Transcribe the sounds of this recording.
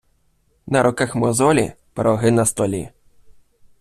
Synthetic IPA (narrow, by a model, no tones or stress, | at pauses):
nɐɾʔɔkaxmɔzɔlʲḭ | pɾɔɦɪnɐst̪ɔlʲḭ